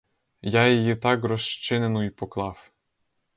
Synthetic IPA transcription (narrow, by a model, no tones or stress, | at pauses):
jɑjejit̪ɑkɡrɔʃt͡ʃɪnenuipɔklˠɑw